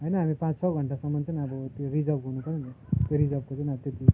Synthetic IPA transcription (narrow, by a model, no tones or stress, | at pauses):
ɦojnʌɦamipãt͡ssʌɡʱʌɳʈasʌmːʌnt͡sʌnʌbʌt̪joɾid͡zʌbɦunupʌɾent̪ | t̪joɾid͡zʌb̚kot͡sʌnʌbt̪et̪i